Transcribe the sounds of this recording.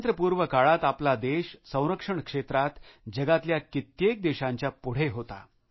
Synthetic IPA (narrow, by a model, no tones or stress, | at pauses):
nt̪ɾəpuːɾʋəkaɭat̪aplad̪eɕsə̃w̃ɾəkʂəɳkʂet̪ɾat̪d͡ʑəɡat̪ljakit̪jek̚d̪eɕãɲt͡ɕjapuɽ̤eɦot̪a̰